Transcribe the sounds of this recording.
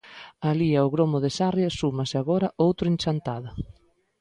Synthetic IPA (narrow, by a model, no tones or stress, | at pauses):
aliaʊɣɾomʊðesarjɐsumɐsɪaɣɔɾɐʔowt̪ɾʊẽnʲt͡ʃant̪aðɐ